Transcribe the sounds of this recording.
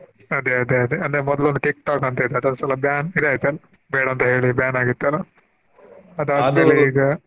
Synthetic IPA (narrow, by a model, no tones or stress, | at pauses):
ɐd̪eɐd̪eɐd̪eɐnd̪eɾemɔd̪lond̪ukik̚ʈaːkɐnt̪ɐid̪ɐd̪ond̪sɐlɐbjaːnid̪eaːjt̪ːɐlɐ | beːɽɐnt̪ɐɦe̞ːɭibjaːnaːɡit̪ːɐlɐ | ɐd̪aːd̪meːleiːɡɐ